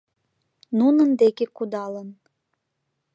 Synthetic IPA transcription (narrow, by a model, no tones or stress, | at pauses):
nunə̆nd̪ekekud̪ɑlən